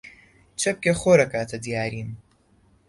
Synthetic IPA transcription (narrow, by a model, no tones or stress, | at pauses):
t͡ʃʰɐp̚kʲeχoɾɐkʰaːt̪ʰɐd̪ijaːɾiːn